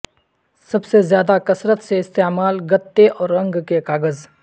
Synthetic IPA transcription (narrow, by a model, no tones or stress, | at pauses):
sɐbsezjaːd̪akɐsɾət̪seɪst̪emaːlɡɐt̪ːeʔɔːɾːɐ̃ŋɡkekaːɡəz